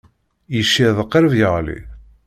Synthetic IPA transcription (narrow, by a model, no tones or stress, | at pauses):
jəʃːiðˤəqːəɾəvjəʁlḭ